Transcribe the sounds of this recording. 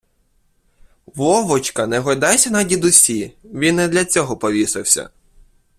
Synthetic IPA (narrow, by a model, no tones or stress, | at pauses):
ʋɔʋɔt͡ʃkɐnɛɦɔjd̪ɑjsʲɐnɐdʲid̪ʊsʲiʋʲinːɛd̪lʲɐt͡sʲɔɦɔpɔʋʲisɪwsʲɐ̰